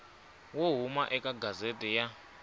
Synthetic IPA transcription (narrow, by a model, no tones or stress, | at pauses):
woɦumaʔɛkʼaɡʱazetʼɛja